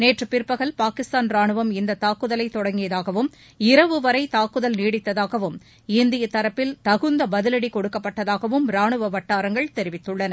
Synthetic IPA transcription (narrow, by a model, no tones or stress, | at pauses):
neːʈrɯpɪɾpːɐɣɐlpaːkɪst̪aːnɾaːɳɯʋɐmɪnd̪ɐt̪aːkːɯðɐlɐɪt̪ːɔɽɐŋɡɪjɐðaːɣɐʋɯm | ɪɾɐʋɯʋɐɾɐɪt̪aːkːɯðɐlniːɽɪt̪ːɐðaːɣɐʋɯm | ɪnd̪ɪjɐt̪ɐɾɐpːɪlt̪ɐɣɯnd̪ɐbɐðɪlɐɽikɔɽɯkːɐpːɐʈːɐðaːɣɐʋɯmɾaːɳɯʋɐʋɐʈːaːɾɐŋɡɐɭt̪ɛɾɪʋɪt̪ːɯɭːɐnɐ